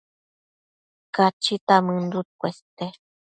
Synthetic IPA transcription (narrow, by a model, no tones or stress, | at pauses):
kat͡ʃit̪amɨ̃nd̪ut̪̚kʷest̪e